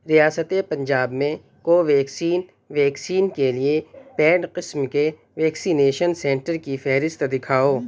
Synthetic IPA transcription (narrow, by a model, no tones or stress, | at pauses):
ɾijaːsət̪epɐ̃ɲd͡ʒaːbmẽ | koʋɛːksiːn | ʋɛːksiːnkeliepɛːɖqɪsmke | ʋɛːksiːneːʃənsɛ̃ːɳʈəɾkifɛːɦɾɪst̪d̪ɪkʰaːoː